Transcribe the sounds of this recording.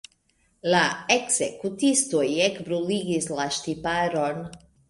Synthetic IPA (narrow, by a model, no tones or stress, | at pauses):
laeksekut̪ist̪ujekbɾuliɡislaʃt̪ipaɾon